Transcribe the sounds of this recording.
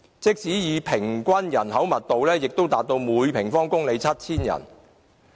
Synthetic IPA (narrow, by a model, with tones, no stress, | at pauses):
t͡sɪ˥k̚siː˨˥jiː˨˧pʰɪ˨˩ŋkʷɐ˥njɐ˨˩nɦɐ˨˥wmɐ˨t̚t̪o˨wlɛː˥jɪ˨k̚t̪o˥wt̪aː˨k̚t̪o˧wmuː˨˧jpʰɪ˨˩ŋfɔː˥ŋkʊ˥ŋle˨˧jt͡sʰɐ˥t̚t͡sʰiː˥njɐ̰˨˩n